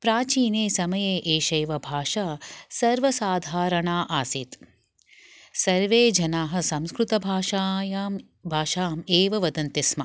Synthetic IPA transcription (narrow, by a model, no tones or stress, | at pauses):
pɾaːt͡ʃiːneːsɐmɐjeːʔeːʃɐjʋɐbʱaːʃaːsɐɾʋɐsaːd̪ʱaːɾɐɳaːʔaːsit̪ | sɐɾʋeːd͡ʒɐnaːɦɐ̆sɐmskɾut̪ɐbʱaːʃaːjaːm | bʱaːʃaːmeːʋɐʋɐd̪ɐnt̪ismɐ